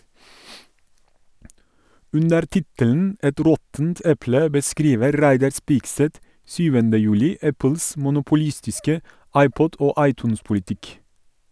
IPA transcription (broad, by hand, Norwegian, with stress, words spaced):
ˈʉndəɾ ˈtɪtəln̩ ˈɛt ˈɾɔtn̩t ˈɛplə bəˈskɾiːʋəɾ ˈɾæɪdɑɾ ˈspiːkˌsɛt ˈsyːʋəndə ˈjʉːlɪ ˈæpəls mʊnʊpʊˈliːstɪskə ˈɑɪˌpɔd ˈoː ˈɑɪˌtʉːnspʊlɪˌtɪk